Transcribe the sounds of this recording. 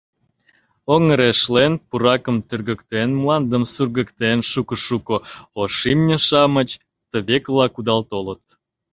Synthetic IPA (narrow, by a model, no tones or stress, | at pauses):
oŋəɾeʃlenpuɾɑkəmt̪ørɣəkt̪enmlɑnd̪əmsurɣə̆kt̪enʃukəʃukəoʃimnʲə̆ʃɑmət͡ɕ | t̪əβeklɑkud̪ɑlt̪olət̪̚